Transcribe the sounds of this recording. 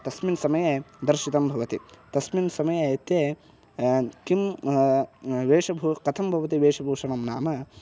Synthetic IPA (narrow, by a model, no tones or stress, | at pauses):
t̪ɐsminsɐmɐjed̪ɐɾʃit̪ɐmbʱɐʋɐt̪ḭt̪ɐsminsɐmɐjɐɐt̪je | kim | ʋeːʂɐbʱukɐt̪ʰɐmbʱɐʋɐt̪iʋeːʂɐbʱuːʂɐɳɐmnaːmɐ